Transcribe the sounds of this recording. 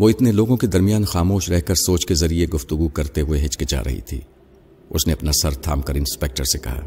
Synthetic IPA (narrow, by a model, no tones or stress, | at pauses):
ʋoɪt̪neloːɡõked̪ɐɾmijaːnxaːmoːʃɾɛɦkɐɾsoːt͡ʃkezɐɾieɡʊft̪ʊɡukɐɾt̪eɦʊeɦɪt͡ʃket͡ʃa̰ːɾɐ̰ɦḭt̪ʰḭː | ʊsneɐpnasɐɾt̪ʰa̰ːmkɐɾɪ̃nspeːk̚ʈəɾsekɐ̰ɦa̰ː